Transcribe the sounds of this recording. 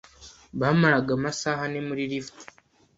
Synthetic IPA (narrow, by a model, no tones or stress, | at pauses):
βaːmaɾaɡamasaːhane̞muɾiɾifti̥